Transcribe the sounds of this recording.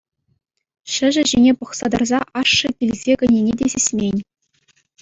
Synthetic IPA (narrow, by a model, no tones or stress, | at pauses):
ʂɘ̆ʐɘ̆ʑenʲepɤ̆χsɑd̪ɑrzɑʔɑʂːɤ̆tʲilʲzʲekʲɘ̆nʲenʲedʲesʲesʲmʲenʲ